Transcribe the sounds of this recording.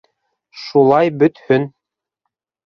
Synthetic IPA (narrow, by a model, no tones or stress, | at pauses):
ʃulˠɑjbɵ̆t̪hɵn